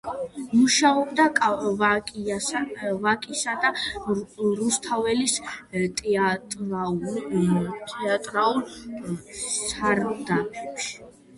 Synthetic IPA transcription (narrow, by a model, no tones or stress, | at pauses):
muʃaɔbd̪akʼ | vakʼisad̪a | ɾust̪ʰavɛlist̪ʼtʼ | t̪ʰʼɛat̪ʼɾaul | saɾd̪apʰɛpʃi̥